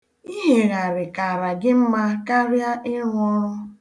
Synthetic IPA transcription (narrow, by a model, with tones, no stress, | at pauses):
i˦ɦe˨ɾa˨ɾɪ˨ka˨ɾa˨ɡɪ˦m̩˦ma˦ka˦ɾja˦ɪ˦ŋʷɔ˦ɾʊ˦